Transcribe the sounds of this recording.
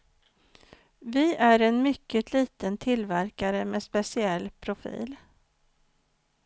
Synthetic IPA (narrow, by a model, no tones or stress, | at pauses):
vɪʔæɾɛnmʏkːət̪ʰliːt̪ənt̪ʰɪlvæɾkaɾəmespɛsɪɛlːpʰɾʊfḭːl